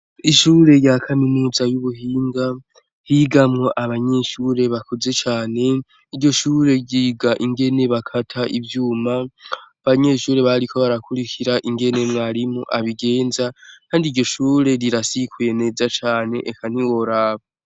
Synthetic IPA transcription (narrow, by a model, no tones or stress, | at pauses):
iʃuːɾe̞jakʰaminuːzajuβuhiːŋɡa | hiɡamŋo̞ʔaβaɲe̞ʃuːɾe̞βakoze̞t͡ʃaːne̞ | iɾɟo̞ʃuːɾe̞ɟiɡaʔiŋɡe̞ne̞βakʰatʰaʔivjuːmaaβaɲe̞ːʃuːɾe̞βaɾikʰo̞βaɾakʰuɾikʰiɾaʔiŋɡe̞ne̞mŋaːɾimoʔaβiɡe̞ːnzakʰaːndiɾɟo̞ʃuːɾe̞ɾiɾasikʰuene̞zat͡ʃaːne̞ʔekʰan̥iwo̞ɾaːβa